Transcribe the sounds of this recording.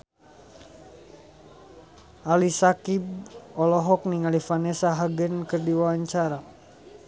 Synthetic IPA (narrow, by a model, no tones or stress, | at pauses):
ʔalisakibɔlɔɦɔk̚niŋalifanɛsaɦaɡənkərdiwawaɲt͡ʃaɾa